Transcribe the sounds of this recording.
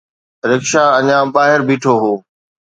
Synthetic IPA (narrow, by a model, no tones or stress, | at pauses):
ɾəkʃaːɐɲãbaːɦɪɾbiːʈʰoɦoː